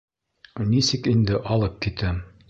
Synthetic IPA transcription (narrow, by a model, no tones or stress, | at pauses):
nisɘkind̪ɘʔɑlˠɤp̚kit̪ɘm